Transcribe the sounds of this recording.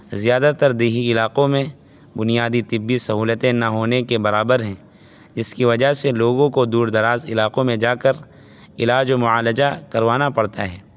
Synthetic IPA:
zijaːd̪at̪ɐɾd̪eːɦiɪlaːqõmẽ | bʊnijaːd̪it̪ɪbːisɐɦuːlət̪ẽnɐɦoːnekebɐɾaːbəɾɦɛ̃ː | d͡ʒɪskiʋɐd͡ʒaɦseloːɡõkod̪uːɾd̪ɐɾaːzɪlaːqõmẽd͡ʒaːkəɾ | ɪlaːd͡ʒomʊaːləd͡ʒakɐɾʋaːnapɐɽt̪aɦɛː

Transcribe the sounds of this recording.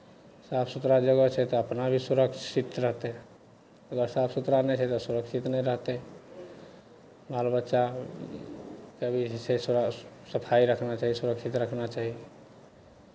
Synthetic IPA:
sapʰsut̪ɾad͡ʒəɡət͡ʃʰɛt̪ɔəpnabʱisuɾəksit̪ɾəɦt̪ɛ | əɡəɾsapʰsut̪ɾanɛt͡ʃʰɛt̪ɔsuɾəkt͡ʃʰit̪nɛɾəɦt̪ɛ | maəlbətːʃa | kəbʱisessəpʰaiɾəkʰnat͡ʃaɦisuɾəksʰit̪ɾəkʰnat͡ʃaɦi

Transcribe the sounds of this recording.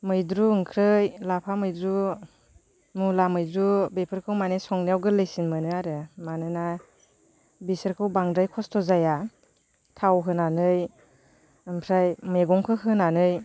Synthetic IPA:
mɯjdɾuɯŋkʰɾɯjlapʰamɯjdɾu | mulamɯjdɾubepʰɯɾkʰɯwmanesɔŋnijawɡɯlɯjsinmɯnɯaɾɯmanɯna | bisəɾkʰɯwbaŋdɾajkʰɔstʰɔzaja | tʰawɦɯnanɯj | ɯmpʰɾajmeɡɔŋkʰɯɦɯnanɯj

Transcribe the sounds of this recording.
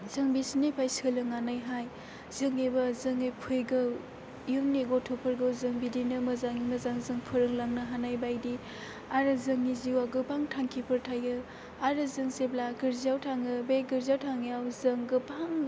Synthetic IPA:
zɯŋbisinepʰajsɯlɯŋanajɦaj | zɯŋebɐzɯŋepʰɯjɡɯw | jɯŋneɡotʰopʰɯɾɡɯwzɯŋbidinɯmɐzaŋimɐzaŋzɯŋpʰɯɾɯŋlaŋnɯɦanajbajdi | aɾɯzɯŋːiziwaɡɯpʰaŋtʰaŋkʰipʰɯɾtʰajɯ | aɾɯzɯŋseblaɡɯɾziawtʰaŋɯbeɡɯɾzawtʰaŋjawzɯŋɡɯpʰaŋ

